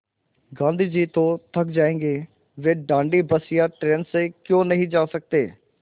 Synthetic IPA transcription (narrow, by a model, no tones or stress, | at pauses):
ɡãːnd̪ʱiːd͡ʒiːt̪õːt̪ʰəkd͡ʒaːẽːɡeː | ʋeːɖãːɳɖiːbəsɪjaːʈɾẽːnsekjõːnəɦĩːd͡ʒaːsək̚t̪eː